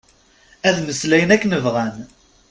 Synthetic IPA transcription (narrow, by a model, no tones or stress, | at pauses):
æðməslæjənækːnəvʁæn